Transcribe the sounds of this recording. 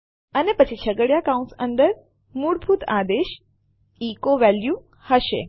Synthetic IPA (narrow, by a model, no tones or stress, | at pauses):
ənepət͡ʃʰit͡ʃʰəɡəɽjakaũnsə̃nd̪əɾ | muɽbʱut̪ad̪eʃ | ikoʋɛlju | həʃḛ